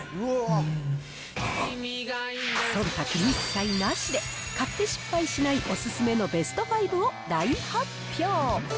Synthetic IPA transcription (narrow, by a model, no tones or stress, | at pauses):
imʲiɡasoɾt̪akʲimʲiki̥kainoaɕid̪e̞kat̪ːe̞ɕi̥pːaiɕinaiʔo̞sɨsɨme̞no̞be̞sɨ̥t̪o̞baibɯoɾaiha | pʰʲjoː